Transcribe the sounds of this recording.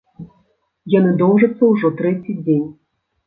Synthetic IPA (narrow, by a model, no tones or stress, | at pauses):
janɨd̪ɔwʐɐt̪sːɐwʐɔt̪ɾɛt͡sʲid͡zʲenʲ